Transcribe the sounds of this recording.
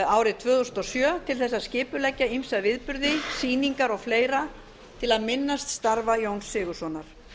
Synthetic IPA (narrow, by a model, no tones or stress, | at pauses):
aːwɾɪt̪ʰvœːðust̪ɔsjœːt̪ʰɪlθɛsːaðscɪːpʏlɛcːaimsavɪðpʏɾðɪsiːniŋkaɾɔɣfleːjɾa | t̪ʰɪlaðmɪnːast̪st̪aɾvajownsːɪːɣʏ̥sɔnaɾ̥